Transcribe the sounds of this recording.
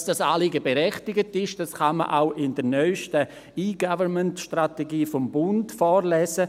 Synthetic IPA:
sd̥ɑsaːliɡəbeɾɛχtɪɡətɪʃd̥asχamə̰ʔa̰ʊʔɪndəɾnœʏʃtə | iːɡavəɾməntʃtrateɡiːfɔmbʊntfɔːɾlɛːsə

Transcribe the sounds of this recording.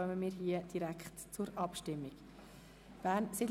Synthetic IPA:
œməmiːɾɦiəd̥iɾækχtt͡sʊɾɑpʃtɪmːiɡ | b̥æːɾnsɪd

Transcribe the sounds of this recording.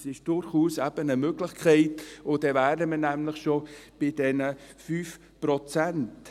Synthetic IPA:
sɪʃd̥ʊɾχuːsæb̥ənəmøɡlɪχkʰɛɪtʊd̥ɛvæːdəmənæmləχʃob̥ɪd̥ɛnəfyːf | pɾɔt͡sænt

